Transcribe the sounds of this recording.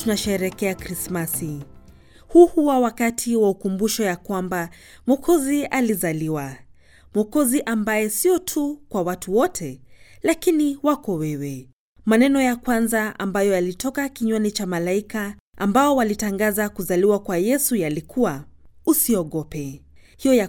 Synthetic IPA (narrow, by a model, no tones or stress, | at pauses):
tunaʃɛɛɾɛkɛakɾismasi | huhuwawakatʰiwaukumbuʃɔjakwamba | mɔkʰɔzializaliwa | mɔkɔziʔambajɛsiɔtʰukwawatʰuwɔtʰɛlakiniwakɔwɛwɛ | manɛnɔjakwanzaa̰mbajɔjalitɔkakiɲwanit͡ʃamalaikaʔa̰mbaɔwalitaŋɡazakuzaliwakwajɛsujalikʰuwausiɔɠɔpɛ | hijɔja